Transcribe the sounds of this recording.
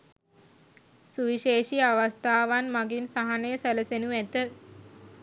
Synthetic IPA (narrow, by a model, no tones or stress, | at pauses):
suʋiʃeːʃiaʋast̪aːʋanmaɡinsaɦanəjəsæləsenuæt̪ə